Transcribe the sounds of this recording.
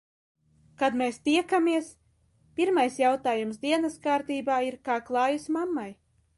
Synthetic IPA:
kad̪meːst̪iɛkamiɛs | pʲiɾmajsjawt̪aːjumsd̪iɛnɐskaːɾt̪iːbaːiɾkaːklˠɑːjusmamːaj

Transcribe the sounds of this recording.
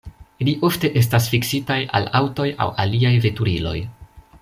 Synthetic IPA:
iliʔo̞fte̞ʔe̞s̬tasfiksitaja̰lawto̞ja̰wa̰liajve̞tuɾilo̞̰j

